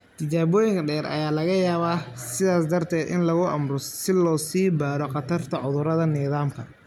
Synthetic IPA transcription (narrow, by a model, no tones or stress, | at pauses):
t̪ʰɪt͡ʃaːβɔːjɪŋkʰɐɖɛːɾɐ̰jaːlɐɣɐjaːβaːsɪðaːsd̪ɐrt̪ʰɛːd̪ʔɪ̰nlɐɣʊʔɐmrɔsɪlɔːsiːbaːɾɔqɑt̪ʰɐrt̪ʰɐʕʊðʊɾɐðɐnɪːðaːmkʰɐ